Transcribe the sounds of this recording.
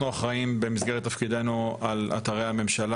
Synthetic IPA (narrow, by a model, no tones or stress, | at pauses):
uaχʁaimbe̞misɡeʁet̪ːafkid̪e̞nuala̰t̪aʁejhame̞mʃala